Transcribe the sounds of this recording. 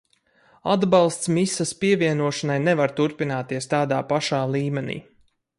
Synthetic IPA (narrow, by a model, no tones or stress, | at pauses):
ad̪balˠst̪smisaspiɛviɛnuɔʃanajnɛvaɾt̪uɾpinaːt̪iɛst̪aːd̪aːpaʃaːlˠiːmɛnḭː